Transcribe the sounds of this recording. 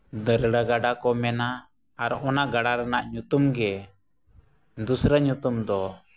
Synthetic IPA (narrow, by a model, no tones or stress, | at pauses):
d̪əɾɽəɡaɖakɔmɛnaː | ɾɔʔɔnaʔɡaɽaɾɛnaʔɲut̪umɡɛ | d̪usɾəɲut̪umd̪ɔ